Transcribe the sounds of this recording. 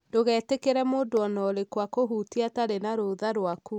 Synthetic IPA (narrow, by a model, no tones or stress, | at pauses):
doɣɛːtekeɾɛmoːdoɔnɔɾekwakoɦuːtiataɾenaɾoðaɾwaku